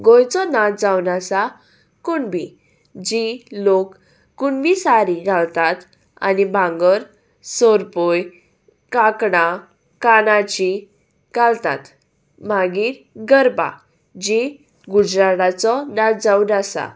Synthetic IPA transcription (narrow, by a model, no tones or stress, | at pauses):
ɡõjt͡sɔnat̪̚d͡zawnasa | kuɳbʱi | d͡ʑilokː | uɳbisaɾiɡʱalt̪at̪ | a̰nibʱãŋɡəɾ | sɔɾpoj | kakɽa | kanat͡ɕi | ɡalt̪a̰t̪ | m̤aɡiːɾɡəɾba̰ | d͡ʑi | ɡud͡ʑɾaɽat͡sɔnat̪̚d͡zaunasa̰